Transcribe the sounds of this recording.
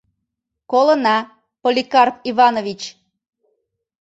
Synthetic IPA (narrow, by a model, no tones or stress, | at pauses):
kolənɑ | polʲikɑrpiβɑnovʲit͡ɕ